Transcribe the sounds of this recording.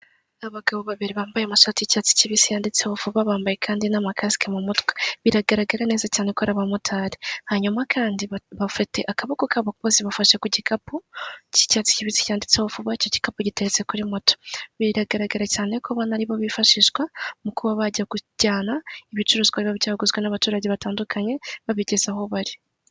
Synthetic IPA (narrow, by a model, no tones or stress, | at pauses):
aβaɡaβoβaβiɾiβaːmbajemaʃaːticaːt͡si̥ciβisijaːndit͡sewofuβaβaːmbaje̞kʰaːndinamakasi̥kemumutkweβiɾaɡaɾaɡaɾene̞ːzacaːnekoɾaβamutʰaːɾihaɲumakʰaːndiβafiteʔakaβokokaβakuβoziβafaʃekuɟikʰapuci̥cat͡si̥ciβit͡si̥caːndit͡seβufuβaico̞ɟi̥kapuɟiteɾet͡se̞kuɾimoto̥βiɾaɡaɾaɡaɾacaːne̞koβanaɾiβo̞βifaʃiʃɡwamukuβaβaɟaɡuɟ̥aːnaiβit͡ʃuɾuzkwaɾiβaβɟaːɡuzɡwenaβatuːɾaɟe̞βataːndukʰaɲe̞βaβiɟez̥aho̞βaɾi